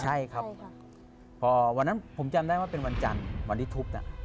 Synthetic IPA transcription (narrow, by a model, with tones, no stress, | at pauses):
t͡ɕʰa˥˩jkʰa˦˥p̚ | pʰːɔː˧wa˧nːa˦˥npʰo˩˦mt͡ɕa˧mda˥˩jwaː˥˩pe˧nwa˧nt͡ɕa̰˧nwa˧ndi˦˥t̪ʰu˦˥p̚na̰˧˩